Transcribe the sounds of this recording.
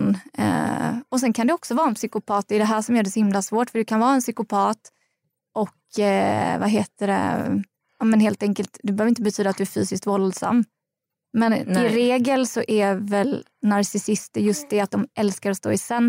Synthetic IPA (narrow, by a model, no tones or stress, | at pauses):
n̰ | ɔsɛnkʰand̪ɛɔksɔvɑːɾɛnpsʏkʊpʰɑːt̪̚d̪ɛɛd̪ɛɦæːʂɔmjœːɖɛsɔhɪmlasvoːʈfœɖɵkʰanvɑːɛnsʏkʊpʰɑːt̪ | ʔɔk | vaɦeːt̪əɾɛ̰ | ɑːmɛnɦeːlt̪ɛŋkəlt̪d̪ɛbɛhøvɾɪnt̪əbɛt̪ʰyːd̪at̪d̪ɵæɾfyːsɪskt̪vɔld̪sa̰mː | mɛnɪɾeːɡəlsɔʔævɛl | naɾsɪsɪst̪əɾjɵst̪̚d̪ɛat̪̚d̪ɔmʔɛlskaɾɔst̪o̰ːɪsɛnː